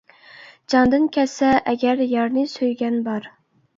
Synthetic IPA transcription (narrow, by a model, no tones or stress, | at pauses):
d͡ʒɑnd̪ɨnkʲʰɛsɛʔɛɡʲæɾjɑɾnɨsøjɡʲɛnbɑɾ